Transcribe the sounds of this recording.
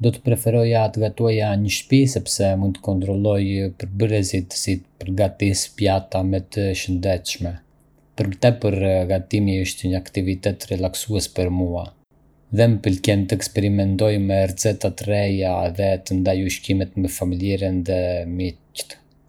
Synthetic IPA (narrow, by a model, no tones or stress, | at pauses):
d̪ɔt̪ə̥pɾɛfɛɾɔjat̪əɡat̪uajaɲəʃpisɛpsɛmunt̪ə̥kɔnt̪ɾɔlˠɔjpəɾbəɾɛzit̪sit̪pəɾɡat̪ispjat̪amɛt̪əʃənd̪ɛt̪ʃmɛ | pəɾmət̪ɛpəɾɡat̪imiəʃt̪ɛɲəakt̪ivit̪ɛt̪rɛlaksuɛspəɾmua | ðɛməpəlcɛnt̪əɛkspɛɾimɛnt̪ɔjmɛɾzɛt̪at̪əɾɛjaðɛt̪ənd̪ajuʃkimɛt̪mɛfamiljɛɾənðɛmict̪